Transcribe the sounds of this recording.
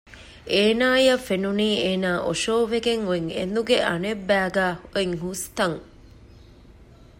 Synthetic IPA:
eːnaːjɐfenuniːeːnaːʔoʃoːʋeɡeŋueŋḛnd̪uɡeʔɐnebːæːɡæːoeŋɦust̪ɐŋ

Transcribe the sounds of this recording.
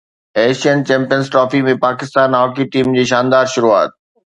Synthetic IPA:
eːʃiənt͡ɕɛ̃ːmpijənzʈɾɔːfimẽpaːkɪst̪aːnaːkiʈiːmd͡ʑiːʃaːnd̪aːɾʃʊɾua̰ːt̪̚

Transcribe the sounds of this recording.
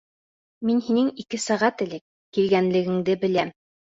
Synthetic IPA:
minhinɘŋikɘsæʁæt̪ɘ̆lɘkː | ilɡænlɘ̆ɡɘ̆ŋd̪ɘbɘ̆læm

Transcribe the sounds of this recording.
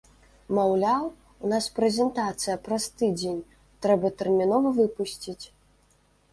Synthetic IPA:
mawlʲaw | unaspɾɛzʲɛnt̪at̪sɨjɐpɾast̪ɨd͡zʲenʲ | t̪ɾɛbɐt̪ɛrmʲinɔvɐvɨpusʲt͡sʲit͡sʲ

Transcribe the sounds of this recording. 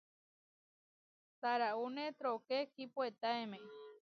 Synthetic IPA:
t̪aɾaunet̪ɾokekipoet̪aemẽ

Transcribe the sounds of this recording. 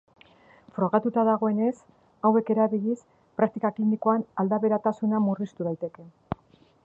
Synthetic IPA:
fɾo̞ɣat̪ut̪aðaɣ̞o̞e̞ne̞s | awe̞ke̞ɾaβiʎis | pɾakt̪ikaklinikoanald̪aβe̞ɾat̪asunamurist̪uð̞ajt̪e̞ke̞

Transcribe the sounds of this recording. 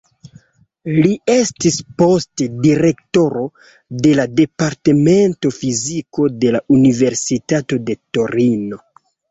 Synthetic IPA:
lie̞stispo̞stediɾe̞kto̞ɾo̞ | de̞lade̞paɾte̞me̞nto̞fiziko̞de̞laʔunive̞ɾsitato̞de̞to̞ɾino̞

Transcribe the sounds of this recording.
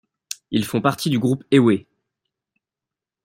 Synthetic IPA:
ilfɔ̃paʁt̪ʰid̪yɡʁupewe

